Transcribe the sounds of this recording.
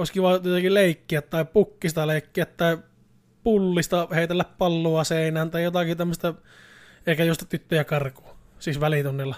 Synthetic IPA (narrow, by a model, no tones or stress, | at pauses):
oˑeskiʋɑˑjot̪ɑkileˑikːiæt̪tɑˑipukːist̪ɑleˑikːiæt̪t̪ɑˑi | pulːist̪ɑheˑit̪elːæppɑlːuɑseˑinæːnt̪ɑˑijot̪ɑkit̪æmːəst̪ɑ | eˑikæjost̪ɑt̪yt̪ːøjɑkɑrku̥ːsisʋælit̪unːilːɑ